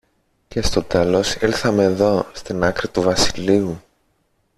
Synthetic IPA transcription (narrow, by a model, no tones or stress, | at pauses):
ce̞st̪o̞t̪e̞lo̞silθɐme̞ːðo̞st̪inɐkɾit̪uvɐsiliu